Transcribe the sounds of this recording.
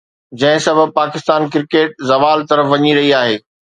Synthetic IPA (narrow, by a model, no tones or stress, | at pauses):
d͡ʑɐ̃ɦɪ̃sɐbʱəb̚paːkɪst̪aːnkɪɾkeːʈ̚zɐʋaːlt̪ɐɾəfʋɐɲiɾɐɦiaːɦeː